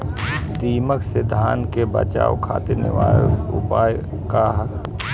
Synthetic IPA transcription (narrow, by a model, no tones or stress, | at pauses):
d̪iːməksed̪ʱaːnkebə̰t͡ʃa̰ːokʰaːt̪ɪɾnɪ̰ʋaːlʊpaːj | kaɦ